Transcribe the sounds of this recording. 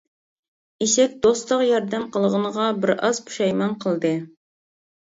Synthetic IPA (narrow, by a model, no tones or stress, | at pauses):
iʃɛk̚ʲd̪ost̪ˠəqjɑɾd̪ɛmqʰəlˠʁənəʁɑbɪɾɑzpʰu̥ʃɑjmɑnqʰəlˠd̪ɨ